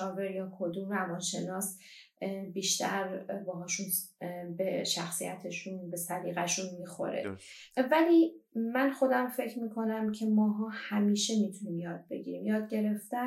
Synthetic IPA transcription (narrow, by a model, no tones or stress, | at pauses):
ɒːve̞ɾjɒːkʰo̞d̪umrævɒːnʃe̞nɒːs | biːʃt̪ʰæɾbɒːɦɒːʃunbeʃæxsijæ̰t̪ʰe̞ʃunbe̞sæɾiːɣæʃunmixo̞̰ɾḛ | væliːmænxo̞d̪æmfe̞cʰɾmiːkʰo̞næmcʰe̞mɒːɦɒːhæmiːʃe̞mit̪ʰunimjɒːd̪̚be̞ɟḭɾiːmjɒːd̪̚ɟe̞ɾe̞ft̪æ